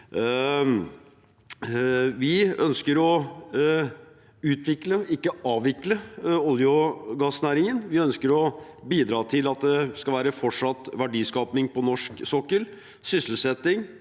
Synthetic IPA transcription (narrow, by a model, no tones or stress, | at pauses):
ʋɪœnskəɾɔ | ʉːt̪ʋɪkləɪkːəɑːʋʋɪkləɔljʊɡɑsnæːɾɪŋənʋɪœnskəɾɔbiːd̪ɾɑːt̪ʰɪlɑt̪̚d̪ɛskɑʋæːɾəfɔʈʂɑt̪ːʋæɖiːskɑːpnɪŋpɔnɔʂksɔkːəɾ | sʏsəlsɛt̪ːɪŋ